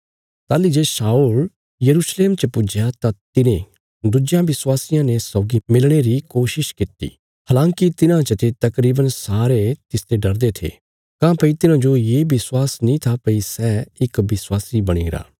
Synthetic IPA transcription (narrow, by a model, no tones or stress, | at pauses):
t̪aːlid͡ʒesaːul | jɐɾuːsleːmt͡ʃəpʊd͡ʒjat̪at̪ɪnẽ | d̪ʊd͡ʒjãbɪswaːsɪjãnesɔːɡimɪlɽ̃eɾikoːʃɪʃkɪt̪ḭː | ɦaːlãːŋkit̪ɪnãt͡ʃət̪et̪ɐkɾiːbənsaːɾet̪ɪst̪eɖɐɾd̪et̪ʰḛː | kãːpɐit̪ɪnãd͡ʒojeːbɪswaːsnĩt̪ʰapɐisɛːɪkbɪswaːsibɐɽ̃ḭ̃ːɾa̰ː